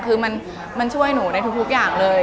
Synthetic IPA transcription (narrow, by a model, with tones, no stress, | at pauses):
kʰɯː˧ma˧n | ma˧nt͡ɕʰu˥˩əjnuː˩˦na˧jt̪ʰu˦˥kt̪ʰk̚jaː˨˩ŋlɤː˧j